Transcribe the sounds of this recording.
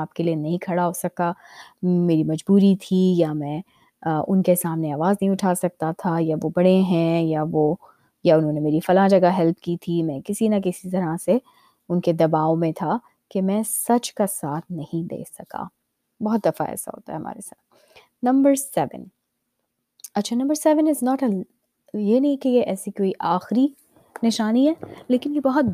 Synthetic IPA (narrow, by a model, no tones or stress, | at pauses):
aːp̚kelienɐɦĩkʰɐɽaɦoːsɐka | meːɾimɐd͡ʒbuːɾit̪ʰijamɛ̃ː | ʊnkesaːmneaːʋaːznɐɦĩʊʈʰaːsɐk̚t̪at̪ʰajaʋobɐɽeɦɛ̃jaʋoː | jaʊnɦõːnemeːɾifɐlãd͡ʒɐɡaɦɛlp̚ʰkit̪ʰimɛ̃ːkɪsinɐk̬ɪsit̪ɐɾase | ʊnked̪ɐbaːomẽt̪ʰa | kemɛ̃ːsɐd͡ʒkasaːt̪ʰnɐhĩd̪ḛːsɐka̰ː | bɔɦɔt̪̚d̪ɐfa̰ɛ̰ːsa̰ɦo̰ːt̪a̰ɦɛɦɐ̰ma̰ːɾesa̰ːt̪ | nɐ̃mbəɾsɛʋə̰̃n | ɐtːʃʰanɐ̃mbəɾsɛʋə̃nɪznɔːʈɐ | jenɐɦĩkejeʔɛːsikoːiʔaːxɾi | nɪʃaːniɦɛːleːkɪnjebɐɔɦɔt̪̚